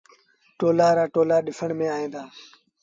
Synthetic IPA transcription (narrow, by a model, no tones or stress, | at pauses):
ʈoːlaːɾaːʈoːlaːɗɪfʰəɳmẽːaːɦẽːnd̪aː